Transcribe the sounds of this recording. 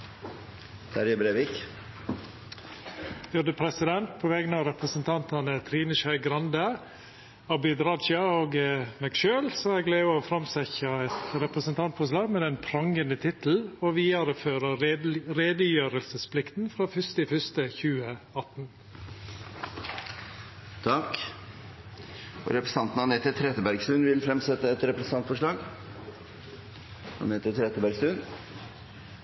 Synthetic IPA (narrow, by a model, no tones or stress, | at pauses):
t̪ʰæɾjəbɾeːʋik | jʊd̪əpʰɾɛsɪd̪ɛnt̪̚pʰoːʋɛɡənəɑʋɾɛpɾəsənt̪ʰɑnt̪ɑnət̪ʰɾiːnəʃœʏɡɾɑnd̪ə | ɑbɪd̪ɾɑd̪ʃɑoːɡmɛːɡʃøːlsɔɛɡlæɪɔfɾɑmsɛçɑɛt̪ɾɛpɾəsənt̪ʰɑnt̪̚fʰɔːslɑːɡmɛːd̪ɛnpʰɾɑŋɡənət̪ʰɪt̪l̩oʋiːɑɾəføːɾəɾeːd̪əjøːɾəlsəspʰlɪkt̪n̩fɾɑːfʏst̪ɪfœst̪əçʉːəɑt̪n | t̪ʰɑk | ɔ̰ɾɛpɾəsɑnt̪n̩ɑnɛt̪ət̪ʰɾɛt̪əbæɾɡst̪ʉːnʋɪlfɾɛmsɛt̪ːəɛt̪ɾɛpɾəsn̩ɑnt̪fɔʂɭɑːɡ | ɑ̰net̪ət̪ʰɾɛt̪əbæɾɡsʉn